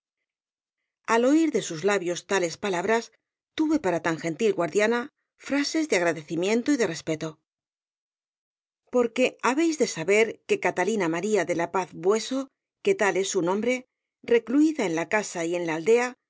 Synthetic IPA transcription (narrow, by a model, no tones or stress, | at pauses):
alo̞iɾðe̞suzlaβjo̞st̪ale̞spalaβ̞ɾas | t̪uβe̞paɾat̪aŋxe̞nt̪ilɣwaɾðjana | fɾase̞zðeaɣɾaðe̞θimjẽ̞nt̪o̞iðe̞re̞spe̞t̪o̞ | po̞ɾke̞aβe̞jzðe̞saβe̞ɾke̞kat̪alinamaɾiaðe̞lapaθbwe̞so̞ | ke̞t̪ale̞sunõ̞mbɾe̞ | re̞kluiðaenlakasaie̞nlaːld̪e̞a